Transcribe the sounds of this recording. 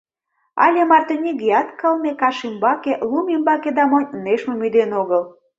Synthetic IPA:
ɑ̰lʲemɑrt̪onʲiɡiɑt̪kəlnekɑʃimbɑkeʔlumimbɑked̪ɑmonʲəneʃmemyd̪enoɣəl

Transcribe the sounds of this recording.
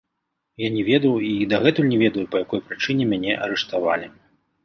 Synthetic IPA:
janʲɛvʲɛd̪ɐwid̪aɣɛt̪ulʲnʲɛvʲɛd̪ɐjupɐjakɔjpɾɨt͡ʂɨnʲɛmʲanʲɛʔɐ̰ɾɛʂt̪ava̰lʲi

